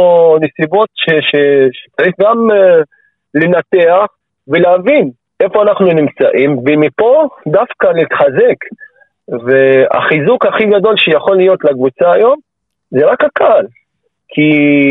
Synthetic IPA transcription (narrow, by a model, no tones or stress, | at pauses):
onesibo̞t̪ʃeʃeʃet͡saʁiχɡam | le̞nat̪e̞aχ | veleavin | ʔe̞fo̞anaχnunimt͡sa̰ʔimvemipo̞d̪afkanit̪χaze̞k | vea̰χizukhaχiɡad̪o̞lʃejaχo̞lːijo̞t̪lakvut͡saːjo̞m | zeʁakhakʰal | kʰi